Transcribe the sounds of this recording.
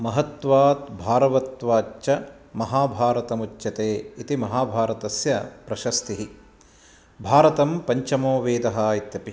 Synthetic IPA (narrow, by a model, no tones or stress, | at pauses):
mɐɦɐt̪ʋaːt̪bʱaːɾɐʋɐt̪ʋaːt͡ʃːt͡ʃɐ | mɐɦaːbʱaːɾɐt̪ɐmut͡ʃːjɐt̪eːit̪imɐɦaːbʱaːɾɐt̪ɐsjɐpɾɐʃɐst̪iɦi | bʱaːɾɐt̪ɐmpɐɲt͡ʃɐmoːʋeːd̪ɐɦɐːit̪jɐpi